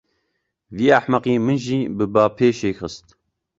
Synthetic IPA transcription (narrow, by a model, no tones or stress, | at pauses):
viːaħmaqiːmɨnʒiːbɨbaːpʰeːʃeːxɨst̪